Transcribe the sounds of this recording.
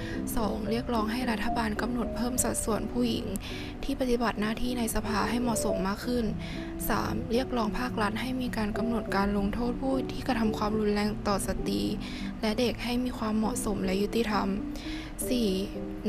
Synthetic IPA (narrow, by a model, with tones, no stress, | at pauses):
sɔː˩˦ŋɾi˥˩ək̚lɔː˧˥ŋɦa˥˩jɾa˦˥t̪ʰːa˧baː˧nka˧mno˨˩t̪̚pʰɤː˥˩msa˨˩t̪̚su˨˩ənpʰuː˥˩ji˨˩˦ŋ | t̪ʰiː˥˩pa˧t̪i˨˩ba˨˩t̪̚naː˥˩t̪ʰiː˥˩na˧jsa˧pʰaː˧ɦa˥˩jmɔ˨˩so˩˦mːaː˥˩kʰɯ˥˩n | sa̰ː˩˦mɾi˥˩ək̚lɔː˧˥ŋpʰaː˥˩k̚ɾa˦˥t̪̚ha˥˩jmiː˧kaː˧nka˧mno˨˩t̪̚kaː˧nlo˧ŋt̪ʰoː˥˩t̪̚pʰuː˥˩jt̪ʰiː˥˩ka˧t̪ʰa˧mkʰwaː˧mɾu˧nlɛː˧˩ŋt̪ɔː˨˩sa˧t̪ḭː˧ | lɛ˦˥de˨˩k̚ha˥˩jmiː˧kʰwaː˧mːɔ˨˩ʔso˩˦mlɛ˦˥ju˦˥t̪ːi˧˥˩t̪ʰa˧m | siː˨˩